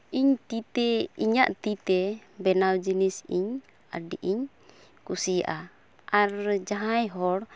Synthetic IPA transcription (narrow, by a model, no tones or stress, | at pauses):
ʔiɲt̪it̪ɛiɲaʔt̪it̪ɛbɛnawd͡ʒinisiɲ | a̰ɖiʔiɲ | kusija̰ʔa | ʔaɾd͡ʒaɦajɦɔɽ